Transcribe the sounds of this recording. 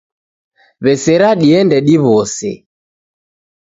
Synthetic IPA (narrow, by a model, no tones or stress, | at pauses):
βɛsɛɾaɗiɛndɛɗiβɔsɛ̰